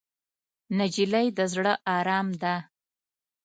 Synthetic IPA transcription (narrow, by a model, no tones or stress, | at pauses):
nad͡ʒilajd̪əzɽəʔɑɾɑmd̪a